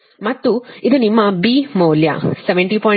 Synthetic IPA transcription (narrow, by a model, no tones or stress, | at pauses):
mɐt̪ːuid̪unimːɐbiːmoːljɐ̰sɛʋeɳʈiːpɔː